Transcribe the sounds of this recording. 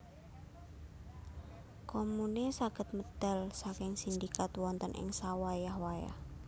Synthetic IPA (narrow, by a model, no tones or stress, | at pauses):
komunesaɡ̥ə̤t̪̚məd̪̥a̤lsakɪŋsind̪ikat̪wɔnt̪ənʔɪ̰ŋsawajahwaja̰h